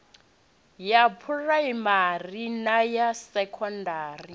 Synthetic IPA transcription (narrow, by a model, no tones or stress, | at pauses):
japʰuraimarinajasɛkʰɔndaːri